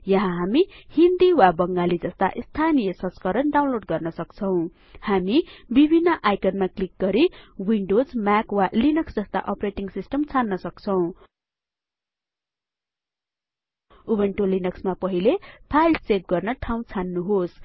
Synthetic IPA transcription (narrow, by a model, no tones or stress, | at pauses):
jʌɦãɦamihind̪iwabʌŋɡalid͡zʌst̪a̰ʔst̪ʰanijʌsʌ̃nskʌɾʌnɖaw̃nloɖ̚ɡʌrnʌsʌkt͡sʰʌw̃ | hamibibʱinːʌʔajkʌnmaklik̚ɡʌɾiwiɳɖod͡zmakwalinʌksd͡zʌst̪a̰ʔʌpreʈiŋsisʈʌmt͡sʰanːʌsʌkt͡sʰʌw̃ | ubeɳʈolinʌksmapʌɦilepʰajlsep̚ɡʌrnʌʈʰaw̃t͡sʰanːuɦos